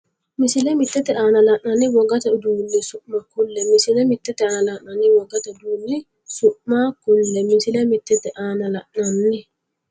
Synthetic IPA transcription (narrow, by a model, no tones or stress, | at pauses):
mɪsɪlɛmɪt̪ːɛt̪ɛʔaːnɐlɐʔnɐnɪwɔɡɐt̪ɐʊd̪uːlːɪsʊʔmɐkʊlːɛmɪsɪlɛmɪt̪ːɛt̪ːɛaːlɐʔnɐnɪwɔɡɐt̪ɐʊd̪uːlːɪ | sʊʔmaːkʊlːɛmɪsɪlɛmɪt̪ːɛt̪ːɛʔaːnɐlɐʔnɐnːɪ